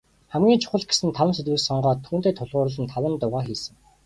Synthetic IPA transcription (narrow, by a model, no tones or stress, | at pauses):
χæmɡʲiːŋt͡ɕʰʊ̥χə̆ɮɡe̥sɘ̆nt̪ʰawə̆nset̪wɘ̆ksɔɴɢɔːt̪ʰːuːnt̪eːt̪ʰʊɮʁʊːɾə̆ɮə̆nt̪ʰawə̆nt̪ʊʁaːxiːsɘ̆ŋ